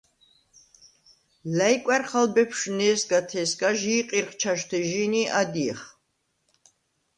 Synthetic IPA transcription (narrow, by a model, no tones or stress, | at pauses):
lajkʷʼɛrχalbɛpʰʃnɛːsɡat̪ʰɛːsɡaʒiːqʼirχt͡ʃʰaʃt̪ʰɛʒiniʔad̪iχ